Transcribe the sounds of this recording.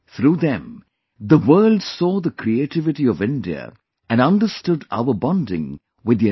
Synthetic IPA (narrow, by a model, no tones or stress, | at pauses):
θɾuːðɛ̃m | ðəwɜ˞lˠdsɔːðəkʰɾieɪtɪvɨʈiɔvɪ̃ndiə̰ | ʔæ̃nʌ̃ndəstʊda̰ʊəbɑ̃ndɪ̰̃ŋ | wɨd̪i